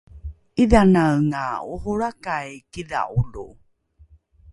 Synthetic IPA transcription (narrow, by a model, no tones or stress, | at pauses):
ʔiðanawŋauhuɾakajkiða̰ʔulṵ